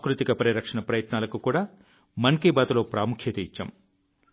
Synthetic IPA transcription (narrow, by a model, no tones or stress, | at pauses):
kɾut̪ikɐpɐɾiɾɐkʂɐɳɐpɾɐjɐt̪naːlɐkukuːɽaː | mɐŋkeːbaːt̪ulo̞ːpɾaːmukʰjeːt̪eit͡ʃːɐ̰m